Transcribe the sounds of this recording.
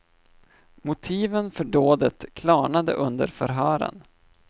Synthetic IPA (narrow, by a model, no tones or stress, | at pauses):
mʊt̪ʰiːvənfœɖoːd̪ət̪kʰlɑːɳad̪ə̰ʔɵnd̪əɾfœ̰ɾɦœːɾə̰n